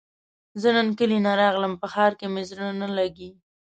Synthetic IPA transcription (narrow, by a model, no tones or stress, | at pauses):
zənənkəlinaɾɑɣləmpəxɑɾkemeznanalaɡi